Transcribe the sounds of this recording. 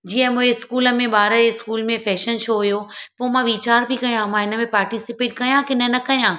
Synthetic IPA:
d͡ʑiːə̃mũɦeskuːlə̆mẽɓaːɾəɪskuːlmẽfɛːʃənʃoːɦujopoːmãʋiːt͡ɕaːɾbʱikɐjãmãɪnə̆mẽpaːɾʈisɪpeːʈkɐjãkɪnənɐkɐjãː

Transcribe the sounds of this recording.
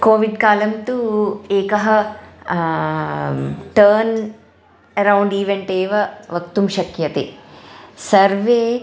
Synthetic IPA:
koːʋiɖkaːlɐmt̪ueːkɐɦɐ | ʈɐːɾn | ɐɾɐwɳɖiːʋeɳʈeːʋɐʋɐkt̪umʃɐkjɐt̪ḛ | sɐɾʋeː

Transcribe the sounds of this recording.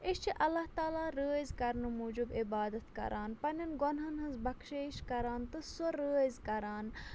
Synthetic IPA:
iʃt͡ʃʰiʔɐlːaɦt̪aːlaːɾəːzkɐɾnɨmuːd͡ʒubɪbaːd̪ɐt̪kɐ̰ɾʔaːnpɐnʲɐnɡonɦɐnɦɐnzbɐkʰʃeːʃkɐɾaːnt̪ɨsoɾəːzkɐɾaːn

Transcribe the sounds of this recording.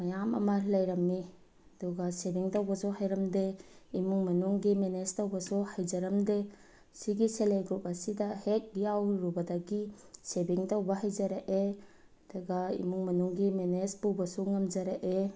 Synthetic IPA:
mɐjamɐ̰mɐlɐjɾɐmːi | ɐduɡɐsebiŋtɐwbɐsuɦajɾɐmdeimuŋmɐnuŋɡimenestɐwbɐsuhajd͡ʒɐɾɐmde | siɡiseleɡɾupɐsidɐhek̚jawɾubɐdaɡi | sebiŋtɐwbɐɦajzɐɾaʔe | ɐduɡɐḭmuŋmɐnuŋɡimenesbubɐsuŋɐmd͡ʒɐɾaʔe

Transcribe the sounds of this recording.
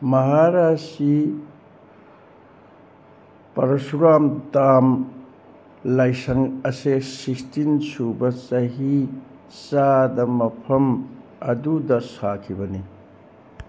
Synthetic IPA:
mɐɦaɾasi | pɐɾɐsuɾamdam | lajsɐŋɐsesikstinsubɐsɐɦi | sadɐmɐpʰɐmɐdudɐsakʰibɐni

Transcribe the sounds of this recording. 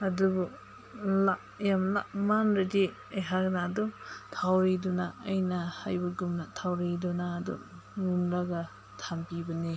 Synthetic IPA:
ɐdubu | la | jamla̰manɾadi | ajɦaknadutʰawɾidunaɐjnɐhajbɐɡumnatʰawɾidunaːdṵ | ŋumlaɡɐ | tʰampibɐni

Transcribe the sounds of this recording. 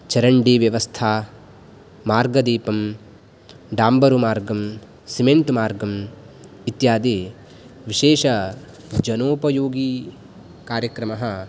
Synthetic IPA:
t͡ʃɐɾɐɳɖiːʋjɐʋɐst̪ʰaː | maːɾɡɐd̪iːpɐm | ɖaːmbɐɾumaːɾɡɐm | simeɳʈmaːɾɡɐm | it̪jaːd̪iː | ʋiʃeːʃɐ | d͡ʒɐnoːpɐjoːɡi | kaːɾjɐkɾɐmɐɦɐ̆

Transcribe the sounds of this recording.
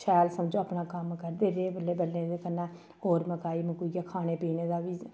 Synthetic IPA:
ʃʰɛːlsəmd͡ʒoːaːpnaːkəmkəɾd̪eːɾeːbəlːeːbəlːẽːd̪eːkənːãː | oːɾməkaːiːməkuijaːkʰaːñeːpiːneːd̪aːʋiː

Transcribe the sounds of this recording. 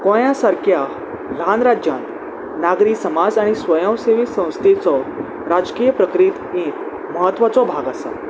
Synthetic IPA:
kɔ̃jasaɾkja | lanɾad͡ʑjã̰nt̪ | naɡɾiːsəmad͡zaɽ̃isʋəjə̃w̃seʋisə̃w̃st̪ʰit͡sɔ | ɾad͡zkijəpɾəkɾit̪ek | məɦət̪ːʋat͡sɔbʱaɡasa̰

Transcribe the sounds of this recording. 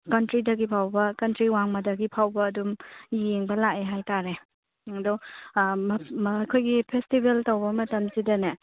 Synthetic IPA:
kɐntɾidɐɡipʰawbɐkɐntɾiwaŋmɐdɐɡipʰawbɐːdumeŋbɐlakeɦajtaɾe | dɔmkʰojɡipʰestibeltɐwbɐmɐtɐmsidɐne

